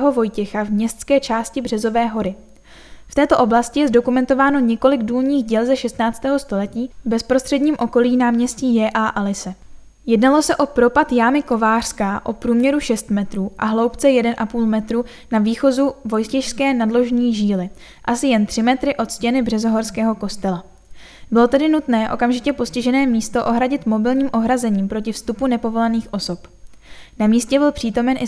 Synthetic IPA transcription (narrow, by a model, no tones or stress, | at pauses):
ɦo̞vo̞jcɛxavmɲɛst̪t͡skɛːt͡ʃaːscɪbr̝ɛzo̞vɛːɦo̞ɾɪ | ft̪ɛːt̪o̞ʔo̞blascɪjɛzdo̞kumɛnt̪o̞vaːno̞ɲɛko̞lɪɡduːlɲiːxɟɛlzɛʃɛst̪naːt͡st̪ɛːɦo̞st̪o̞lɛciːbɛspɾost̪r̥ɛdɲiːmʔo̞ko̞liːnaːmɲɛsciːjɛːʔaʔalɪsɛ | jɛdnalo̞sɛʔo̞pɾo̞pat̪jaːmɪko̞vaːr̥skaʔo̞pɾuːmɲɛɾuʃɛst̪mɛt̪ɾuːʔa̰ɦlo̞wpt͡sɛjɛdɛnʔapuːlmɛt̪ɾuː | naviːxo̞zuvo̞jscɛʃskɛːnadlo̞ʒɲiːʒiːlɪ | ʔasɪjɛnt̪r̥ɪmɛt̪ɾɪʔo̞t̪scɛnɪbrɛzo̞ɦo̞ɾskɛːɦo̞ko̞st̪ɛla | bɪlo̞t̪ɛdɪnut̪nɛːʔo̞̰kamʒɪcɛpo̞scɪʒɛnɛːmiːst̪o̞ʔo̞ɦɾaɟɪt̪mo̞bɪlɲiːmʔo̞ɦɾazɛɲiːmpɾo̞cɪfst̪upunɛpo̞vo̞laniːxʔo̞so̞pnamiːscɛbɪlpr̥iːt̪o̞mɛnʔɪ